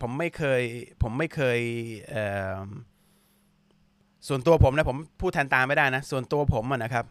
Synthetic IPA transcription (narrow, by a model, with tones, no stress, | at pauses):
pʰo˩˦mːa˥˩jkʰɤː˧jpʰo˩˦mːa˥˩jkʰɤː˧jʔɤː˨˩ | su˨˩ənt̪u˧ɐpʰo˩˦mna˦˥pʰo˩˦mpʰuː˥˩t̪ʰa˧nt̪aː˧ma˥˩jdaː˥˩jna˦˥su˨˩nt̪u˧ɐpʰo˩˦mʔa˨˩na˦˥kʰɾa˦˥p̚